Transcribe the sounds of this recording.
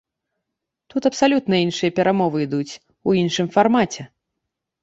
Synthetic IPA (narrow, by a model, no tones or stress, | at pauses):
t̪ut̪ɐpsalʲut̪nɐinʂɨjɐpʲɛɾʔamɔvɨid̪ut͡sʲ | uinʂɨmfarmat͡sʲɛ